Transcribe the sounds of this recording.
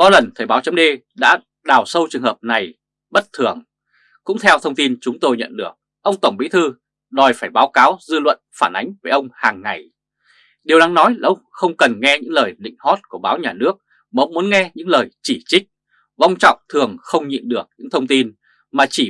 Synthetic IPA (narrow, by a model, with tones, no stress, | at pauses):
kɔ˨˦lə˨˩nt̪ʰə˨˩jɓaː˨˦wt͡ɕə˨˦mɗe˧ | ɗa̰ː˧˥ | ɗaː˨˩wsə˧wt͡ɕɨ˨˩əŋhəː˨˩p̚na˨˩j | ɓə˦˥t̚t̪ʰɨ˨˩əŋ | kʊ̰˧˥ŋ͡mt̪ʰɛ˧wt̪ʰə˧wŋ͡mt̪i˧nt͡ɕʊ˨˦ŋ͡mt̪o˧jɲə̰˧˨nɗɨ˨˩ək̚ | ʔə˧wŋ͡mt̪ə˧˩ŋ͡mɓḭ˧˥t̪ʰɨ˧ | ɗɔ˨˩jfaː˧˩jɓaː˨˦wkaː˨˦wzɨ˧lwə̰˧˨nfaː˧˩nʔa˨˦jŋ̟veː˨˧˩ʔə˧wŋ͡mhaː˨˩ŋːa˨˩j | ɗi˨əwna˨˦ŋnɔ˨˦jla˨˩ʔə˧wŋ͡mxə˧wŋ͡mkə˨˩nŋɛ˧ɲɨ̰˧˥ŋləː˨˩jɗḭ̈˧˨ŋ̟hɔ˦˥t̚ku˧˩əɓaː˨˦wɲaː˨˩nɨ˦˥ək̚ | maː˨ə˧wŋ͡mmu˨˦ə˦nŋɛ˧ɲɨ̰˧˥ŋləː˨˩jt͡ɕi˧˩t͡ɕï˦˥k̟̚ | va˧wŋ͡mt͡ɕɔ̰˧˨wŋ͡mt̪ʰɨ˨˩əŋxə˧wŋ͡mɲḭ˧˨mɗɨ˨˩ək̚ɲɨ̰˧˥ŋt̪ʰə˧wŋ͡mt̪i˧n | maː˨˩t͡ɕi˧˩